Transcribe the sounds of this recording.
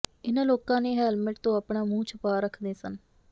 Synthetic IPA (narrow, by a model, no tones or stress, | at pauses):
ɪnãːloːkãːneːɦɛːlmɪʈt̪õːaːpɳaːmũːt͡ʃʰəpaːɾəkʰd̪eːsən